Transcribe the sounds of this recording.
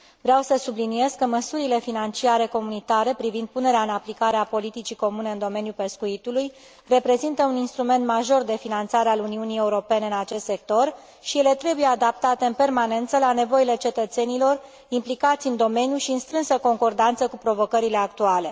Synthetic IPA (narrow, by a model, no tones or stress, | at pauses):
vɾeawsəsublinije̞zkəməsuɾile̞finant͡ʃiaɾe̞ko̞munit̪aɾe̞pɾivind̪̚pune̞ɾeaɨnaplikaɾeapo̞lit̪it͡ʃiko̞mune̞ɨnd̪o̞me̞njupe̞skuit̪uluj | re̞pɾe̞zint̪əuninst̪ɾume̞nt̪maʒo̞rd̪e̞finant̪saɾealuniunije̞uɾo̞pe̞neɨnat͡ʃe̞st̪se̞k̚t̪o̞r | ʃije̞le̞t̪ɾe̞buje̞ad̪ap̚t̪at̪e̞ɨnpe̞rmane̞nt̪səlane̞vo̞ile̞t͡ʃe̞t̪ət̪se̞nilo̞r | implikat̪sʲɨnd̪o̞me̞njuʃiɨnst̪ɾɨnsəko̞ŋko̞rd̪ant̪səkupɾo̞vo̞kəɾile̞ak̚t̪uale̞